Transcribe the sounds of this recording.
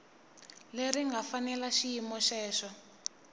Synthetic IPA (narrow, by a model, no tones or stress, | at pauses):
leriŋɡafanɛlaʃijimɔʃɛːʃɔ